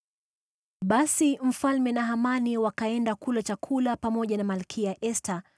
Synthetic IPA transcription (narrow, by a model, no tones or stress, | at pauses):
ɓasim̩falmɛnaɦamaniwakaɛndakulat͡ʃakʰulapamɔʄanamalkʰiaʔɛstʰa